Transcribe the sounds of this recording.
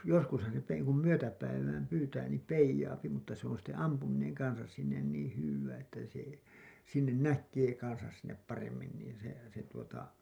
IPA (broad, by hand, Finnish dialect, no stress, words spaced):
joskushɑn se etː ei kum myøtæpæiʋæːm pyːtæː niːm peijɑːpi mutːɑ se on̞ sitːe ɑmpumineŋ kɑnsɑs sinːen niːĩ hywːæː etːæ se sinːen nækˑeː kɑnsɑs sinːep pɑremːin niːn̞ se se tuotɑ